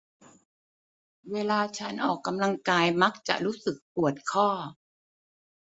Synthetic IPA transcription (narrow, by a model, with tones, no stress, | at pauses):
weː˧laː˧t͡ɕʰa˦˥nʔɔː˨˩kːa˧mla˧ŋkaː˧jma˦˥k̚t͡ɕa̰˨˩ʔɾuː˦˥sɯ˨˩k̚pu˨˩ət̪̚kʰɔː˥˩